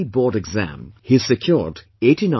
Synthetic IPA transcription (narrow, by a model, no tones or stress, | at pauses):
ibɔɾɨɡzæ̰̃mhi̥sɨkʰj̥ɔɹd | eɪtinã